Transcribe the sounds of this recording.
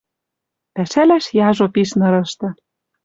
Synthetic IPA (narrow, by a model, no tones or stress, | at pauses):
pæʃælæʃjɑʒopiʃnɤ̆ɾɤ̆ʃt̪ɤ̆